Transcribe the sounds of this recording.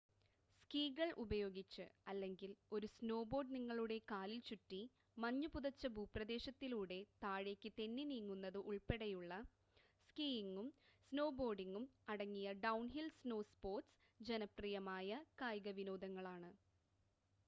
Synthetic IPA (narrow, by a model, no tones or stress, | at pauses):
skiːɣɐɭʔubɐjo̞ːɡit͡ɕːɨɐlːe̞ŋɡilo̞ɾusno̞ːbo̞ːɖniŋːɐɭuɽe̞kaːlilt͡ɕuʈːi | mɐɲːupuðɐt͡ɕːɐbʱuːprɐd̪e̞ːɕɐt̪ːiluːɽe̞t̪aːɻe̞kʲːɨt̪e̞nːiniːŋːunːɐðɨʔuɭpe̞ɽɐjuɭːɐ | skiːiŋɡumsno̞ːbo̞ːɖiŋɡumɐɽɐŋːijɐɖɐwnɦilsno̞ːspo̞ːrʈs | d͡ʑe̞nɐprijɐmaːjɐkaːjɡɐʋino̞ːd̪ɐŋːɐɭaːɳɨ